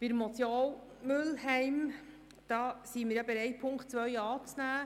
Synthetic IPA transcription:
b̥ɪɾəmɔt͡sjoːl | mʏlhɛɪm | d̥ɑːsiːmɪɾjɑbeɾɛɪt̚pʰʊŋkχtt͡sʋœjɑːt͡snæː

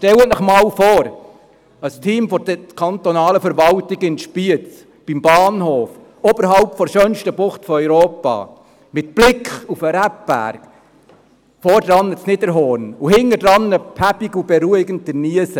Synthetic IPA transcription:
ʃtɛwənəχmɑːlfoːɾ | ɑstʰiːmfɔdəkʰɑnt̪ɔnɑːləfɛɾʋɑltɪɡəɪnʃpiət͡s | b̥imbɑːnhoːf | obəɾɦɑʊpfɔɾʃœnʃtəbʊχtfɔœʏɾoːpɑ̰ː | mɪt̚b̥lɪkχufəɾæp̚b̥æ̰ːɾk | fɔːɾdɾɑnːət͡snɪdəɾɦɔːɾnuhɪŋːəd̥ɾɑnːəpʰæpɪɡubɛɾuɪɡənt̚dəniəsə

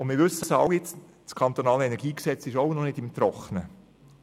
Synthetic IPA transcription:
ʊnmɪːɾʋɵsəsəɑwjɪt͡s | skʰɑnt̪onɑːləɛnɛɾɡiːksɛt͡sɪʃoʊnɔnɪdɪmt̪ɾɔχnə

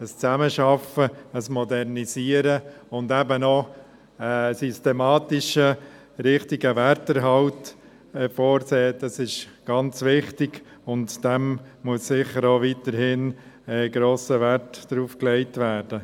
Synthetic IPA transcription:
əst͡sæməʃɑfəəsmɔdɛrnisiːəɾəʊndɛbənɔ | əsystemɑːtɪʃə | ɾɪχtiɡəʋɛɾtəɾɦɑlt | fɔːɾseːd̥ɑsɪʃɡ̥ɑnt͡sʋɪχtɪɡ̥ | ʊntd̥ɛmmuəsːɪχəɾoːʋitəɾhɪn | ɛɡɾoːsəʋæɾtd̥ɾuːfklɛɪtʋæːɾd̥ə

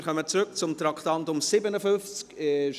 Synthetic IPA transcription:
χœmət͡sɾʏk̚t͡sʊmt̪ɾɑktɑntʊmsɪbənəfʏnft͡skʃ

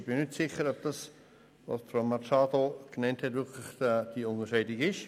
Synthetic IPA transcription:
b̥ɪnʏtsɪχəɾɔb̚d̥ɑs | vɔ̰sfɾomat͡ʃɑːdoɡ̥nɛnthɛtʋɪʁkʰlɪχd̥iʊŋəʃɛɪdɪkɪʃ

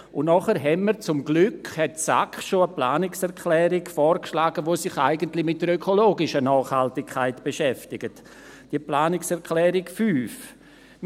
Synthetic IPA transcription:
ʊnnɔχəɾɦɛnməɾt͡sʊmɡlʏkhɛtsa̰kχʃoəplaːnɪksɛɾʁkʰlɛːɾɪɡfɔːɾkʃlaːɡ̥əʋosɪχa̰ɪɡəntlɪmɪt̚dəɾøkʰoloːɡɪʃənɑːχhaltɪkʰːaɪtb̥eʃɛftɪɡ̥ət | d̥iəplaːnɪksɛʁkʰlɛːɾɪkfyːf

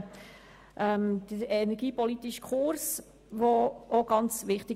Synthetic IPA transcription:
ʔɛmd̪̥əenɛɾɡ̥iːpɔlit̪iʃkʰʊɾs | ʋooɡ̥ɑnt͡sʋɪχtɪ

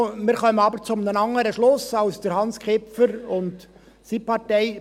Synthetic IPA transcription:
mɪːɾχœmənɑbəɾt͡sʊmnənɑŋːəɾəʃlʊsɑlsd̥əɾhɑnskʰɪpfəɾʊnd | sipɑɾtɛɪ

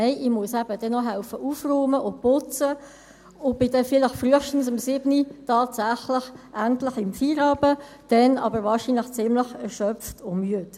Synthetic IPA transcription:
nɛɪʔɪmuəsæbəd̥ɛnːɔɦaʊfəʔuːfroːməʔʊpʊt͡sə | ʊb̥ɪdɛfɪlɪχfryəχʃtn̩səmsɪbnitɑːtsaχlɪχʔæntlɪχɪmfiːɾɑːbə | d̥ɛnɑ̰bəɾvɑːɹʃinlɪχt͡sɪmləχɛʁʃœpftʊmyət

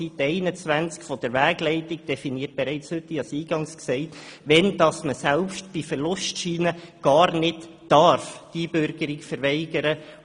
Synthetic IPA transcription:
it̪ːɛɪnət͡sʋænt͡skfɔd̥əɾʋæːɡlɛɪtiɡd̥ɛfiniət̚b̥ɛɾɛɪt͡shʏtːiɑsiːɡ̥ɑŋsksɛɪtʋɛnd̥ɑsməsɛlpʃtb̥ifəɾlʊstʃiːnəɡ̥ɑːɾnɪtː | ɑɾfd̥ibʏɾɡəɾikfəɾʋɛɪɡ̥əɾə

